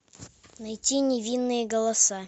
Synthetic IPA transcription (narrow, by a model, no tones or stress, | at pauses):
nɐjtʲinʲɪvʲinːɨjəɡəlˠɐsa